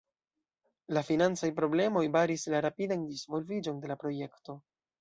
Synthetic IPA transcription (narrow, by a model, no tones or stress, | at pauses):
lafinant͡sajpɾo̞ble̞mo̞jbaɾislaɾapidandizvo̞lvid͡ʒo̞nde̞lapɾo̞je̞kto̞